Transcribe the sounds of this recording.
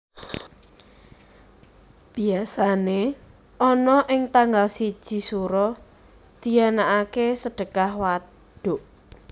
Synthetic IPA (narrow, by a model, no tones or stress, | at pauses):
b̥iasane | ʔɔnɔʔɪŋt̪aŋɡalsid̥ʒ̥i̤suɾɔ | d̪̥i̤anaʔakesəɖ̥ə̤kahwa | ɖ̪̥ʊʔ